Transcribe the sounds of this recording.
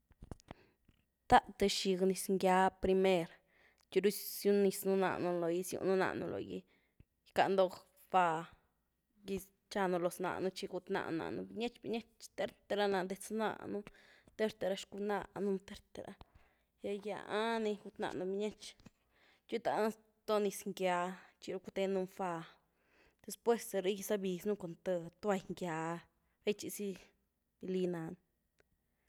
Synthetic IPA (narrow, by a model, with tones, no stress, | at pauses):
t̪a˦ʔt̪e˧ʃi˧ɡni˧sŋɡja˧˦pɾi˧me˦ɾ | t͡ʃu˧ɾu˦sju˦ni˧snu˧na̰˧ʔnu˧lo˨ji˧sjṵ˧nu˦na̰˧ʔnṵ˧lo̰˨jḭ˧ | ka˧nd̪o˧k | b̥a˧ | ji˧ | t͡ʃa˧nu˧lo˨sna̰˧˨nu˧t͡ʃi˧ɡu˧t̪na̰˧ʔna̰˨ʔnu˧bi˧ɲe˦t͡ʃbi˧ɲe˦t͡ʃt̪e˦ɾt̪e˧ɾa˧na˧˨d̪e˧t͡sna̰˧nu˦t̪e˦ɾt̪e˧ɾa˧ʃku˧na̰˧nu˦nt̪e˦ɾt̪e˨ɾa̰˧ | ja˧ja̰˧a˦ni˧ɡu˧t̪na̰˧ʔnu˧bi˧ɲe˦t͡ʃ | t͡ʃi˦t̪a˧˦ns | t̪o˦ni˧sŋɡja˧t͡ʃi˧ɾu˧ku˧t̪e˧nu˧mfa˧ | d̪̥e˧spwe˦se˧ɾi˦ɡi˧sa˧bi˨snu˦ko˨nt̪ə˧t̪o˦a˧jŋɡja˧ | ɾe˦jt͡ʃi˧si˦ | b̥i˧li˧na˧n